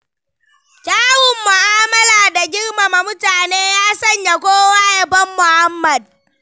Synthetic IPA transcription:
kʲaː˦wʊ˨mːʊ˨ʔaː˦mɐ˦laː˨da˨ɡʲɪ˦rma˨ma˨mʊ˦taː˨neː˦jaː˦sɐ˦˨ɲja˨kʷoː˦waː˦jɐ˨bɐ˦mːʊ˨ha˦mːɐ˨d̚

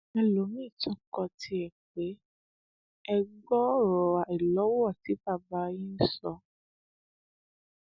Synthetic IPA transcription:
ã˦˨lo˨˦mĩː˦˨tɔ̃˦kɔ˧tʰi˧ɛ˨k͡pe˨˦ | ɛ˧ɡ͡bɔ˦ɾɔ˨a˨ɛ˨lɔ˨˦wɔ˦˨ti˨˦ba˦˨ba˨˦jĩ˦n̩˦sɔ˧

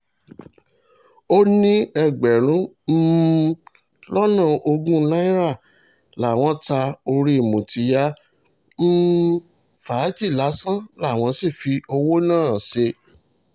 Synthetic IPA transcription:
o˦nĩ˦ɛ˦˧ɡ͡bɛ˨ɾ̃ũ˨˦ | m̩˦ | lɔ˦nã˦˨ʔo˧ɡũ˦˧˦la˦i˦ɾa˦˨ | la˨˦˨w̃ɔ̃˦ta˧o˧ɾi˦i˨mũ˨ti˨˦ja˦ | m̩˦ | fa˨˦d͡ʒi˦˨la˨˦sã˦la˦˨w̃ɔ̃˧si˦˨fi˧o˧wo˦nãː˦˨se˧

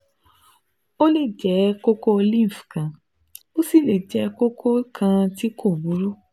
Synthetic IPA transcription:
o˦le˦˨d͡ʒɛ˨˦ko˦ko˦o˧li˦˨fkã˨ | o˦si˦˨le˨d͡ʒɛ˨˧˦ko˦kʰo˦kʰã˧ti˦kʰo˦˨bu˨˦ɾu˦

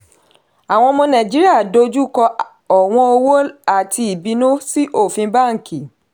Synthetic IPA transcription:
a˨w̃ɔ̃˧mɔ̃˧nã˨d͡ʒi˦ɾi˦a˦˨do˧˦d͡ʒu˦kɔ˧ | ɔ˨w̃ɔ̃˧o˧wo˦a˦˨tʰi˧i˨bi˧nũ˦si˦ʔo˦˨fĩ˧ba˦˨ŋ̩˨ki˨

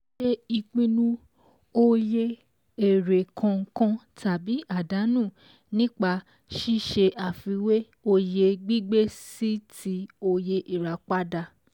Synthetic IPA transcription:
ʃe˦i˧k͡pĩ˧nũ˦ | o˦je˦ | e˨ɾe˨kʰã˧ŋ̩˧˦kã˦ta˨bi˨˦ʔa˦˨da˨˦nũː˦˨ | nĩ˦k͡pa˧ | ʃi˦ʃe˧ʔa˨fi˨˧˦we˦ | o˧je˧ɡ͡bi˦ɡ͡be˦si˦ti˦o˧je˧ʔi˨ɾa˨k͡pa˦da˧

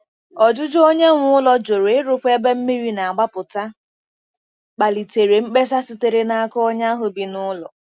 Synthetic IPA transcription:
ɔ˨d͡ʒʊ˦d͡ʒo˦ɲe˦ŋʷʊ˦lɔ˨d͡ʒo˨ɾe˨ɪ˦ɾʊ˦kʷe˦be˦m̩˦mi˦ɾi˦na˨a˨ɡ͡ba˦pʊ˨ta˦ | k͡pa˨li˨te˨ɾe˨ŋ͡m̩˦k͡pe˦s̬a˦si˦te˨ɾe˦na˦a˦kɔ˦ɔ˦ɲa˦ɦʊ˨bi˨nʊ˦lɔ̰˨

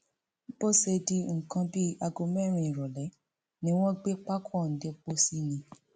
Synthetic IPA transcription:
bo˦se˧di˧ŋ̩˨kã˧bi˦a˧ɡo˧mɛ˦˨ɾ̃ĩ˧˨i˨ɾɔ˨lɛ˨˦ | nĩ˦w̃ɔ̃˦ɡ͡be˦k͡pa˦kʰɔ˦˨n̩˨˦de˧k͡po˦si˦nĩ˧

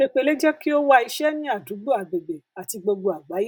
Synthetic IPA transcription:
e˦k͡pe˧le˦d͡ʒɛ˦ki˦o˦wa˧i˧ʃɛ˦nĩ˦a˦˨du˨˦ɡ͡bo˦a˨ɡ͡be˨ɡ͡be˨a˨ti˧ɡ͡bo˧ɡ͡bo˧a˨ɡ͡ba˨˦je˦

